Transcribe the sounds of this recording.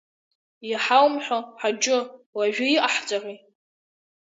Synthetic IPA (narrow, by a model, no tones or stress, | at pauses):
jaħawmħʷᶣoħad͡ʒʼʊwaʒᶣʊiʔaħt͡sʼaʁi